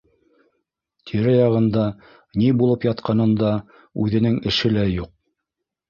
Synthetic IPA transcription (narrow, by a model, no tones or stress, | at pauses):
t̪ʰiɾɘjɑʁɤ̆nd̪ɑ | nibulˠɤpjɑt̪̚qɑnɤ̆nd̪ɑ | ʉðɘ̆nɘŋɘ̆ʃɘlæjuq̚